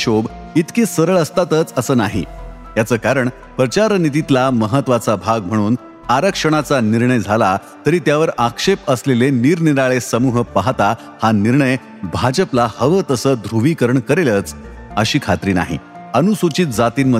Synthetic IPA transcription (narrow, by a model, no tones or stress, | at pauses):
ɕob | it̪keːsəɾəɭəst̪at̪ət͡səsəːnaɦḭ | jat͡səːkaɾəɳ | pɾət͡ɕaɾnit̪̬it̪laməɦət̪ːʋat͡sabʱaɡm̤əɽ̃uːn | aɾəkʂəɳ̃at͡saniɾɳəjd͡zʱala | t̪əɾiːt̪jaʋəɾakʂepəsleleniːɾniɾaɭesəmuːɦpaɦt̪a | haniɾɳəj | bʱad͡ʑəplahəʋət̪əsəːd̪ʱɾuʋiːkəɾəɳkəɾelət͡s | əɕiːkʰat̪ɾiːna̰ɦḭ | ənusut͡ɕiːt̪̚d͡zat̪iːnmə